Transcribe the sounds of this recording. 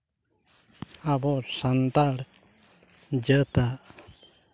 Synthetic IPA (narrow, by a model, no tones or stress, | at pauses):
abɔɾsant̪aɽ | d͡ʒət̪a